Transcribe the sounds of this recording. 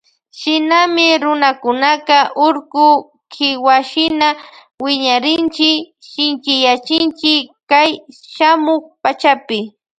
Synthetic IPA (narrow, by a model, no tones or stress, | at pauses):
ʃɪnamɪɾʊnakʊnakɑʔʊɾkʊ | kʰɪwaʃɪna | wɪɲaɾɪnt͡ʃɪk | ʃɪnt͡ʃɪjat͡ʃɪnt͡ʃɪkkajʃamʊkpat͡ʃapɪ